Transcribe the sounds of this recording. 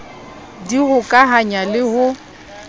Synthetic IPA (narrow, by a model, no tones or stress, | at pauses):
diɣʊkʼaɦaɲalɪhʊ